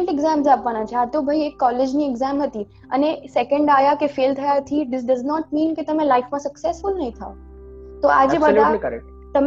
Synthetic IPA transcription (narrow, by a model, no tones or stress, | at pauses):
ɳʈɛɡzãːmzaːpʋañãt͡ʃʰeat̪obʱɐiekːɔːled͡ʒniɛɡzãːmɦɐt̪i | ɐ̰nesɛkə̃ɳɖaːjakefeːlt̪ʰɐjat̪ʰid̪ɪs̬ɖɐznɔʈ̚mĩːnket̪ɐmẽlaɪfmãsɐksɛsfʊlnɐɦĩt̪ʰao | t̪oa̰d͡ʒebədʱakəɾɛ | t̪ɐm